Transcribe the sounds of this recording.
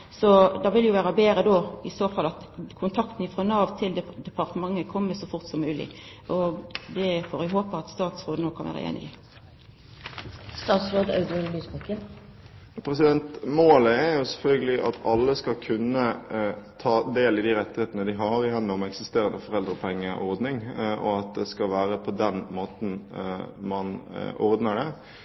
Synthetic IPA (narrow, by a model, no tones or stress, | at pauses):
sɔd̪ɑʋɪljʊʋæːɾɑbeːɾəd̪oːɪsoːfɑlːɑt̪ | kʰʊnt̪ʰɑkt̪n̩ɪfʁɔnɑːʋt̪ʰɪld̪ɛd̪ɛpʰɑʁt̪əmɑŋːəkʰɔmːəsɔfʊʁt̪sɔmːʉːlɪ̰ʔɔd̪ɛfoːɾɪɦoːpəɑt̪st̪ɑːt̪sʁoːd̪ənoːkʰɑnʋæ̰ɾə̰ḛːnɪ̰ɡə | st̪ɑːt̪sɾoːd̪ɑ̰ʉd̪ɪɛllyːspɑkə | pʰɾɛsɪd̪ɛnt̪moːləɛɾjʊsɛlfœlɡəlɪʔɑ̰t̪ʰɑlːəskɑlkʰʉnːət̪ʰɑːd̪eːlɪd̪iɾɛt̪ːɪheːt̪ənəd̪ɪɦɑɾɪjɛnːʊmɛksɪst̪eːɾənəfɔʁɛld̪ɾəpʰɛŋːəʔɔʁd̪nɪŋʔɔ̰ɑt̪̚d̪ɛskɑlʋæːɾəpʰɔd̪ɛnmoːt̪n | mɑnɔ̰ɾd̪nəɖɛ